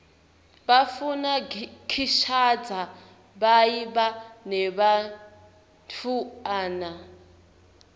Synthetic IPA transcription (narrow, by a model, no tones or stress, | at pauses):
βafunakʰiʃad͡za | βaiβanɛβa | ntʰuaːna